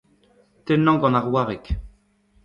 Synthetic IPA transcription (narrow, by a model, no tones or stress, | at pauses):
t̪ɛnɑ̃ɡɑ̃naʁwaʁɛk